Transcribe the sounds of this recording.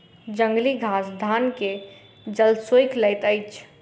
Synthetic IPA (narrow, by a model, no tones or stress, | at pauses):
d͡ʒə̃ŋɡliɡʱasd̪ʱanke | d͡ʒəlsojkləjt̪əɪt͡ʃʰ